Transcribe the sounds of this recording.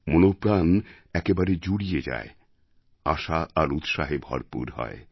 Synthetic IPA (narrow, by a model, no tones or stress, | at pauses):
monopɾan | ɛkebaɾed͡ʑuɽijed͡ʑa̰e | aʃaʔaɾut̪ʃaɦebʱɔ̰ɾpṵɾɦɔ̰e